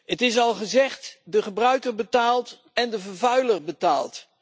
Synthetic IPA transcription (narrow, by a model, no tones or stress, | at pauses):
ətɪs̬ɑlˠχəzɛχtdəχəbrœɥkəɹbətaːlˠt | ɛndəvəɹvœɥlərbəta̰ːlˠt